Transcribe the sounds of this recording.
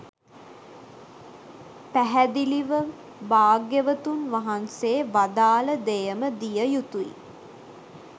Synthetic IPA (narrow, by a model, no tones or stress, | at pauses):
pæɦæd̪iliʋə | baːɡjəʋət̪unʋaɦanseːʋad̪aːləd̪ejəməd̪ijəjut̪uḭ